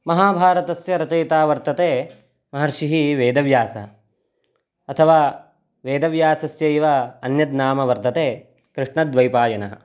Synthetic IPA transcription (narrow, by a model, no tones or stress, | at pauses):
mɐɦaːbʱaːɾɐt̪ɐsjɐɾɐt͡ʃɐjt̪aːʋɐɾt̪ɐt̪eː | mɐɦɐɾʂiɦiʋeːd̪ɐʋjaːsɐɦɐ | ɐt̪ʰɐʋaː | ʋeːd̪ɐʋjaːsɐsjɐiʋɐɐnjɐd̪naːmɐʋɐɾt̪ɐt̪eː | kɾɪʂɳɐd̪ʋɐjpaːjɐnɐɦɐ̆